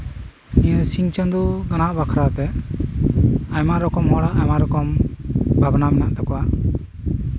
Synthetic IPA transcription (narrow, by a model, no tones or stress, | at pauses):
ĩjəsiŋt͡ʃə̃nd̪uɡanaʔbakʰɾat̪ɛ | ajmaʔɾɔkɔmɔɽaʔajmaɾɔkɔmbʱabnamɛnaʔt̪ɛkɔwa